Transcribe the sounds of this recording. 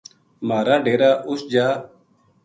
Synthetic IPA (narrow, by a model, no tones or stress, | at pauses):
maːɾaːɖeːɾaːʔʊsd͡ʒaː